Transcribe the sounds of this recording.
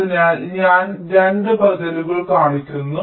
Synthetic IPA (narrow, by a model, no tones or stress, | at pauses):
inaːlɲaːnɾenɖɨbʱɐdɐluɣɐɭkaːɳikʲːunːu